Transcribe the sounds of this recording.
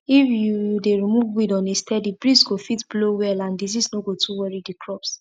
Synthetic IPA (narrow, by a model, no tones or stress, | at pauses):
ifjudeɹimuvwidɔ̃nestɛdibɹisɡofitblowɛlãndizisnoɡotʰuwɔɹidikʰɹɔps